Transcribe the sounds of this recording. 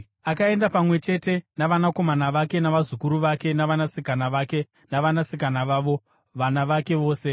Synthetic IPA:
akae̞ndapamwe̞t͡ʃe̞te̞naʋanako̞manaʋake̞naʋazukuɾuʋake̞naʋanasikanaʋaːke̞ | naʋanasik̬anaʋaːʋo̞ | ʋanaʋake̞ʋo̞ːse̞

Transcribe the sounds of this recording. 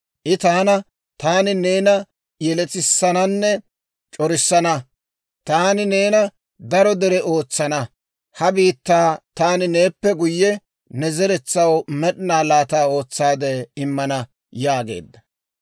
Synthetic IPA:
ʔɪt̪aːnɐ | t̪aːnɪne̞ːnɐ | jɛlɛt͡sɪsːɐnɐnːɛ | t͡ʃʼɔɾɪsːɐnɐ | t̪aːnɪne̞ːnɐ | d̪ɐɾɔd̪ɛɾɛo̞ːt͡sːɐnɐ | hɐbiːt̪ːaːt̪aːnɪne̞ːpːɛɡʊjːɛ | nɛzɛɾɛt͡sːɐwmɛɗɪnaːlaːt̪aːo̞ːt͡sːaːd̪ɛɪmːɐnɐ | jaːɡḛːd̪ːɐ

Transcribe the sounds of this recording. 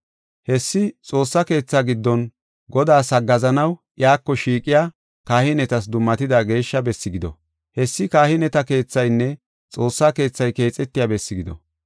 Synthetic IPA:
hɛsːɪt͡sʼo̞ːsːɐke̞ːt͡sːaɡɪd̪ːɔn | ɡɔd̪aːsɐɡːɐzɐnɐwʔjaːkːɔʃiːkʼːɪjaː | kaːhɪnɛt̪ɐs̬d̪ʊmːɐt̪ɪd̪aɡe̞ːʃːɐbɛsːɪɡɪd̪ɔ̰ | hɛsːɪkaːhɪnɛt̪ɐke̞ːt͡sːɐjnːɛ | t͡sʼo̞ːsːake̞ːt͡sːɐjke̞ːt͡sʼɛt̪ːɪjabɛsːɪɡɪd̪ɔ̰

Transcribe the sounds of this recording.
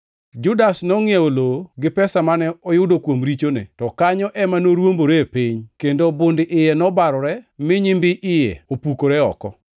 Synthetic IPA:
d͡ʒʊdasnɔŋjɛoloɡɪpɛsamanɛɔjʊdokwomɾit͡ʃonḛtɔkaɲɔʔɛmanoɾwomboɾepiɲkendobondɪʔɪjɛnɔbaɾɔɾɛmɪɲɪmbɪʔɪjɛ̰opukoɾɛɔ̰kɔ̰

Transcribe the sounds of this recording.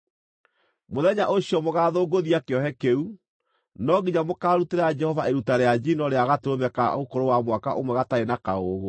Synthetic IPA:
moðɛɲaʔoɕjɔmoɣaðoɡoðiakeɔhɛkeu | nɔɡiɲamokaːɾuteɾad͡ʒɛhɔvaʔeɾutaɾead͡ʒinɔɾeaɣateɾoðɛka̰ɣokoɾowamwaka̰ʔomwɛɣataenakaoːɣo

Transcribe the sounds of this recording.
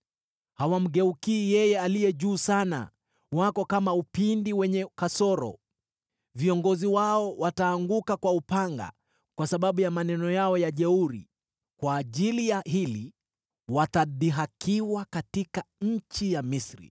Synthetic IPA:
hawam̩ɡɛukiːjɛjɛalijɛʄuːsana̰ | wakɔkamaupindiwɛɲɛkasɔɾɔ̰ | viɔŋɡɔziwaɔwataːŋɡukakwaupaŋɡa̰ | kwasaɓaɓujamanɛnɔjaɔjaʄɛuɾḭ | kwaːʄilijaɦili | wataɗiɦakʰiwakatikaɲ̩t͡ʃijamisɾḭ

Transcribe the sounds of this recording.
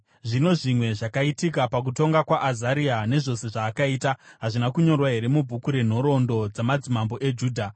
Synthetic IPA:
ʐino̞ʐimwe̞ʐakaitikapak̬uto̞ŋɡakwaʔazaɾiane̞ʐo̞se̞ʐaːkaiːtaɦaʐinakuɲo̞rwaɦe̞ɾe̞mubʱukuɾe̞n̤o̞ɾo̞ndo̞d͡zamad͡zimambo̞ʔe̞d͡ʒuːdʱa

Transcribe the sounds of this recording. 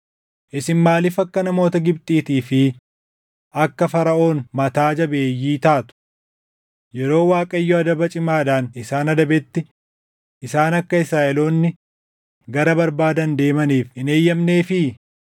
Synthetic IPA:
ʔɪsɪnmaːlɪfɐkːɐnɐmo̞ːt̪ɐɡɪb̚t̪ʼiːt̪iːfɪ | ʔɐkːɐfɐɾɐʔo̞ːnmɐt̪aːd͡ʒɐbe̞ːjːiːt̪aːt̪ʊ̥ | jɛɾo̞ːwaːkʼɐɪjːɔɐd̪ɐbɐt͡ʃʼɪmaːᶑaːnɪsaːnɐd̪ɐbɛt̪ːɪ | ʔɪsaːnɐkːɐɪsɾaːʔɛlo̞ːnːɪ | ɡɐɾɐbɐɾbaːd̪ɐnd̪e̞ːmɐniːfɪne̞ːjːɐmne̞ːfɪ

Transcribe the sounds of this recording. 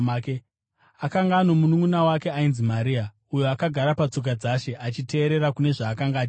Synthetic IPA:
ke | akaŋɡaːno̞munuŋunawake̞ainzimaɾia | ujoakaɡʱaɾapat͡sok̬ad͡zaʃe̞ʔat͡ʃite̞ːɾe̞ɾakune̞ʐaːkaŋɡaː

